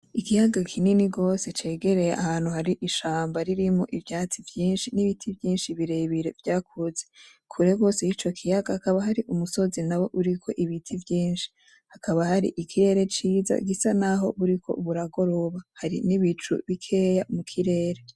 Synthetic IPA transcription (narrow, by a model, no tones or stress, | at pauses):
ikijaɡakʰininiɡo̞se̞t͡ʃe̞ːɡe̞ɾe̞jeʔahaːnhuhaɾiʔiʃaːmbaɾiɾimo̞̰ʔivjaːt͡sivjiːnʃiniβitʰivjiːnʃiβiɾe̞βiɾe̞vjaːkʰuze | kʰuɾeɡo̞sejit͡ʃo̞kʰijaɡahakaβaɦaɾiʔumuso̞zinawo̞ʔuɾikʰo̞ʔiβitʰivjiːnʃi̥ | hakʰaβahaɾḭʔikʰiɾe̞ːɾe̞t͡ʃiːza̰ɡisanaɦo̞̰βuɾikʰo̞̰βuɾaɡo̞ɾo̞βahaɾḭniβit͡ʃṵβikʰe̞jamukʰiɾe̞ːɾe̞